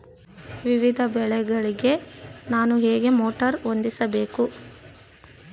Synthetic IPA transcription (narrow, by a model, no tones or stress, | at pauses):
ʋiʋid̪ʱɐbɛɭɛɡɐɭiɡe̞naːnuɦeːɡe̞moːʈɐɾo̞nd̪isɐbe̞ːku